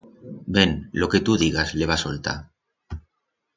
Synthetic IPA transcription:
be̞nlo̞ke̞t̪uðiɣ̞azle̞β̞asolt̪a̰

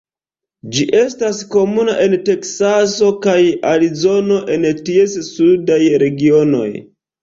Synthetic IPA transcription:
d͡ʒiʔe̞stasko̞munaʔe̞nte̞ksaso̞kajaɾizo̞no̞ʔe̞ntie̞ssudajɾe̞ɡio̞no̞̰j

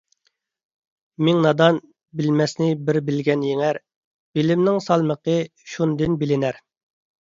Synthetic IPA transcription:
mɪŋnɑd̪ɑn | bɪlmɛsnɪbɪɾbɪlɡʲɛnjeŋæɾ | b̥ɪlɪmnɪŋsɑlˠməqəʃund̪ɪnbɪlɪnæɾ

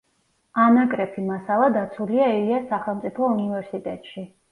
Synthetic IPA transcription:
anakʼɾɛpʰimasalˠad̪at̪sʰuliaɛliasːaχɛlˠmt̪sʼipʰɔunivɛɾsit̪ʼɛt̪ʼʃi

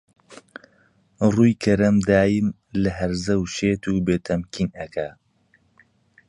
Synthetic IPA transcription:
ruːjkʰɐɾɐmd̪aːjɨm | lɐɦɐɾzɐwʃeːt̪ʰuːbeːt̪ʰɐmkʰinɐkʰa

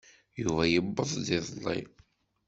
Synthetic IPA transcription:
juvæjəbːəðˤd̪iðˤlˤːḭ

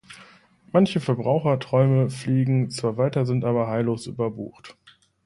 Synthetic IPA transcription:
mançəfɛɐbʁaʊxɐtʁ̥ɔʏməfliːɡŋ̩t͡sv̥aːɐvaɪtɐzɪntʔaːbɐɦaɪloːsʔy̰ːbɐbṵːxt

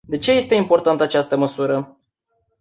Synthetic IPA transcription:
d̪e̞t͡ʃe̞je̞st̪e̞impo̞rt̪ant̪əat͡ʃast̪əməsuɾə

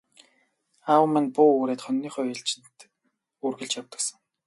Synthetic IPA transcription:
awə̆mæ̆npʊːuɾeːt̪χœnːiːχœːɪɬt͡ɕɪ̥̆nt̪ | urɣɘ̆ɮt͡ɕjaw̚t̪ə̆ksə̆ŋ

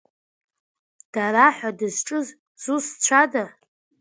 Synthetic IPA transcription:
d̥aɾaħʷadɨzʈ͡ʂʼɨz | z̥ust͡ɕʷʰada

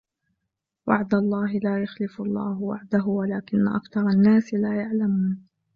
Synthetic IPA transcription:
waʕd̪alˤːɑːɦɪlaːjaxlɪflˤːɑ̰ːɦwa̰ʕd̪aɦʊwalaːkɪnːaʔakθɑɾˤɑnːaːsɪlaːjaʕlamuːn

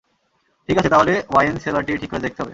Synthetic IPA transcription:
ʈʰikat͡ɕʰet̪aɦolewajenselaɾʈiʈʰikːoɾed̪ek̚t̪eɦɔbe

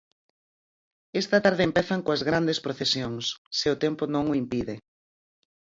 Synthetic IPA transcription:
ɛst̪ɐt̪aɾðɪempɛθɐŋkoɐzɣɾand̪espɾoθesjoŋsseʊt̪ɛmpʊnõŋʊimpiðɪ

